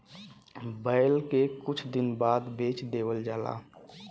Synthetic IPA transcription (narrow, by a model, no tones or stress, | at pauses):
bəɪlkekʊt͡ʃʰd̪ɪnbaːd̪beːt͡ʃd̪eːwəld͡ʒaːla̰ː